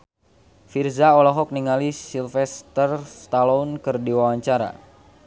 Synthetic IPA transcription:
firzaɔlɔɦɔk̚niŋalisilfɛst̪ərst̪alɔunkɨrdiwawaɲt͡ʃaɾa̰

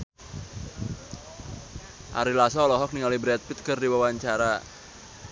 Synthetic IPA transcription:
ʔa̰ɾilasɔːlɔɦɔk̚niŋalibɾɛt̪̚pit̪̚kɨrdiwawaɲt͡ʃaɾa

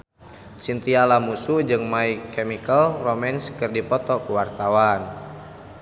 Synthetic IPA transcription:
t͡ʃint̪ialamusud͡ʒɨŋmaikɛmikəlromɛnskərdipɔt̪ɔkuwart̪awan

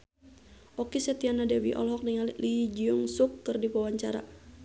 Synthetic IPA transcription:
ʔɔkisɛt̪ianadɛwiʔɔ̰lɦɔk̚niŋallid͡ʒiuŋsukːɨrdipawaɲt͡ʃaɾa̰

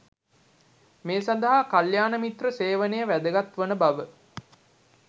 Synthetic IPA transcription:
meːsand̪ɐɦakaljaːnəmit̪rəseːʋənejəʋæd̪əɡat̪ʋənəbaʋə

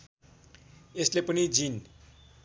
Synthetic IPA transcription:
eslepʌnid͡zin

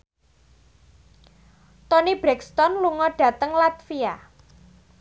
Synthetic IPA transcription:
t̪ɔnib̥ɾɛkst̪ɔnluŋɔɖ̥a̤t̪əŋlat̪fia

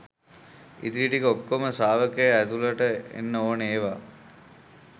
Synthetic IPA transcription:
ḭt̪iiʈikəokːoməsaːʋəkejæd̪uləʈəḛnːəoːneːʋa

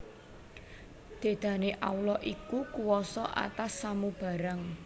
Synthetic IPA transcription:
d̪̥e̤d̪̥ä̤neʔa̰ulɔʔikukuwɔsɔʔa̰t̪asːamub̥ä̤ɾaŋ

